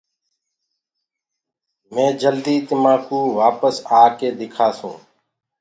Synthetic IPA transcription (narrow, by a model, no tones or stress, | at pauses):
mẽːd͡ʒəld̪iːt̪ɪmaːkũːʋaːpəsaːkeːd̪ɪkʰaːsṵ̃ː